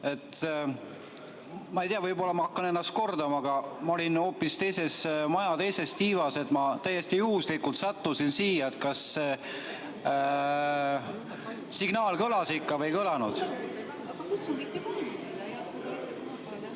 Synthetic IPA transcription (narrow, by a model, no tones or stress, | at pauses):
e̞t̪ | mɑejt̪iɑvɤjbo̞lːɑmɑhɑkːɑnenːɑst̪̚ko̞rd̪ɑmɑɑɡ̥ɑmɑo̞lʲinho̞ːpːˑist̪e̞jse̞smɑjɑt̪e̞jse̞st̪iːvɑse̞t̪mɑt̪æjːe̞st̪ijuhuslikult̪sɑt̪ːusinsiːjɑet̪̚kɑs | siɡnɑːlkɤlɑsikːɑvɤjkɤlɑnud̪̥